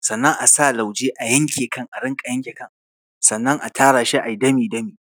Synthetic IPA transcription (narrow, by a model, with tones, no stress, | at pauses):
sɐ˨nːɐ˦ŋʔa˨sa˦˨la˨wd͡ʒeː˦ʔa˨jɐ˦ŋkʲeː˨kɐ˦ŋʔa˨ɽɪ˦ŋkʼa˨jɐ˦ŋkʲe˨kɐ˦ŋ | sɐ˨nːɐ˦ŋʔa˨tʰaː˦ɽaː˨ʃi˦ʔa˨jdɐ˦miː˨dɐ˦miː˨